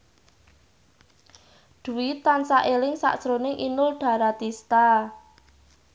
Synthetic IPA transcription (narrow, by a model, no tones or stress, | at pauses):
ɖ̪̥ṳwit̪ːansaʔelɪŋsa̰ʔsɾonɪŋʔinʊlɖ̥ä̤ɾat̪ist̪a